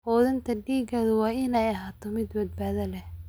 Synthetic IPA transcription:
hɔːðɐnt̪ʰɐɖiːɡɐːðɐwɑːʔɪnɛjɐɦaːt̪ʰɔmɪd̪bɐd̪̚baːðɐlɛh

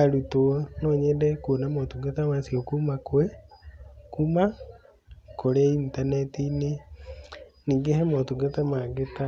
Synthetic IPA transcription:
aɾutonɔɲɛdɛkonamɔtuɡetamasiokumakwe | kuma | koɾeintanɛtine | niːŋɡeɦɛmɔtuɡetamaɡeta

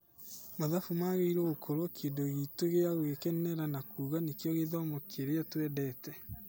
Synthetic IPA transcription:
maðafumaɣeiɾoɣokʰoɾokʰeːndoɣitoɣeaɣoɣekɛnɛɾanakuːɣanekjɔɣeðɔmokʰeɾeatwɛdɛtɛ

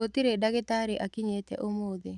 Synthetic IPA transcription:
ot̪iɾedaɡɪtaɾɪʔakiɲet̪ɛ̰ʔomod̪e

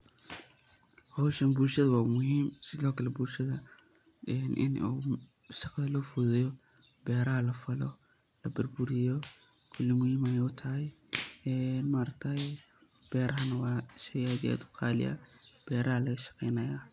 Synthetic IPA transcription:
hɔwʃɐnbuːrʃɐðɐwɑːmʊhiːmsɪðɔːkʰɐlɛbuːrʃɐðɐ | ɛnʔɪ̰nṵʃɑqɐðɐlɔːfʊðɛjɔ | bɛːɾɐɦɐlɐfɐlɔ̰ | lɐbɐrbʊɾɪjɔ | kʰʊlːɪmʊhiːmɐjʊt̪ʰɐɦɛjɛnmaːɾɐkt̪ʰɐj | b̥ɛːɾɐɦɐnɐwɑːʃɐjɐdɛ̰ːd̪ʊ̥qʰɑːlɪ̰jɐ̰b̥ɛːɾɐɦɐlɐɣɐʃɑ̥qɛjnɐjaː

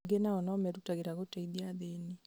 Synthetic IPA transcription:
ɡenaɔnɔmɛɾutaɣeɾaɣotaiðiaðeni

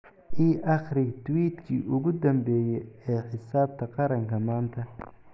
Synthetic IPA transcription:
ʔiːʔɑχɾɪt̪ʰwiːd̪kʰḭːʔʊɣʊd̪ɐmbɛːjɛɛːħɪsaːb̚t̪ʰɐqɑɾɐŋkʰɐmaːnt̪ʰɐ

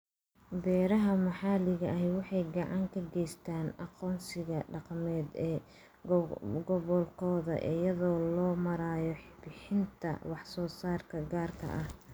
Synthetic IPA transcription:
bɛːɾɐɦɐmɑħɑːlɪɣɐʔɦwɑħɑjɡɑʕɑŋkʰɐɡɛjst̪ʰaːnɑqɔːnsɪɣɐɖɑqmɛːd̪ɛː | ɡɔβɔlkʰɔːðɐ̰ʔɪ̰jɐðɔːlɔːmɐɾaːjɔħɪbɪħɪnt̪ʰɐ̰wɑħsɔːsaːrkʰɐɡaːrkʰɐ̰ʔɐh

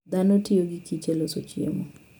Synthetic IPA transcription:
d̪anotɪoɡɪkit͡ʃelosot͡ʃɪḛmɔ

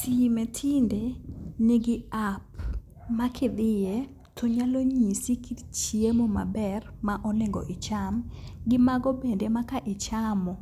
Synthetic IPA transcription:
simetʰɪndeneɡɪap | makʰɪd̪ɪje | tʰɔɲaloɲisikitt͡ʃiemoma̰bɛrmaʔɔnɪŋɡɔ̰ʔɪt͡ʃamɡɪmaɡɔbendemakaʔɪt͡ʃamɔ

